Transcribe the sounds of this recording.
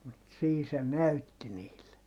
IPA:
mut siː se næytːi niːlːe

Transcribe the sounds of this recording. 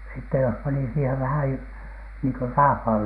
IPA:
sitːe jos pɑni siːheʋ ʋæhæj jo niːŋko rɑːʋ̥hɑˑl

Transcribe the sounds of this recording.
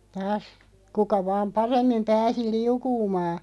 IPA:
tɑːs kukɑ ʋɑːm pɑremːim pæːsi liukuːmɑː

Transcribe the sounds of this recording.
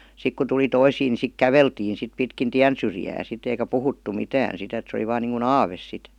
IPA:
sik ku tuli toisiː ni sik kæʋeltiːn̞ sit pitkin tiæn syrjæː sit eikæ puhutːu mitæːn sit et se oli ʋɑːn niːŋku ɑːʋes sit

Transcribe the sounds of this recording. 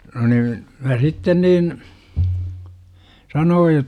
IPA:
no niːn mæ sitːen niːn sɑnoːj

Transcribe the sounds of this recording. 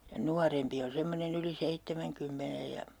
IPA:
jɑ nuɑrempi on semːonen yli seitːemæŋkymːenej jɑ

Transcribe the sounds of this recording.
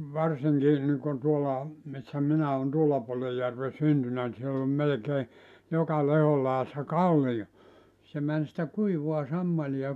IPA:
ʋɑrsiŋki niŋkon tuolɑ misːæ minæ on tuolːɑ puolej jærʋe syntynæ ni sielː om melĕkeː jokɑ lehol lɑˑeɑsːɑ kɑlːijo se mæn sĭtæ kuiʋuɑ sɑmːɑlij̆ɑ

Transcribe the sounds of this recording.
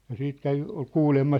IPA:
jɑ siːt kæʋi ol kuːlemːɑ

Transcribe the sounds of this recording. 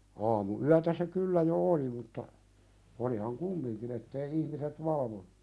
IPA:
ɑːmuyætæ se kylːæ jo oli mutːɑ olihɑŋ kumːiŋkin etːei ihmiset ʋɑlʋonu̥

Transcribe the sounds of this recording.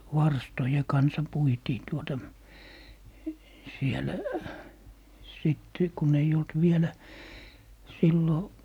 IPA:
ʋɑrstoje kɑnsɑ puitiː tuotɑ sielæ̆ siˑt kun ei olt ʋielæ silːo

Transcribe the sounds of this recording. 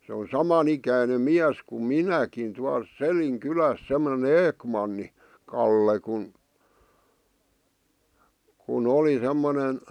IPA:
se on sɑmɑn ikæinem miæs kum minækin tuɑl selin kylæs semːŏne eːkmɑnːi kɑlːe kun kun oli semːonen

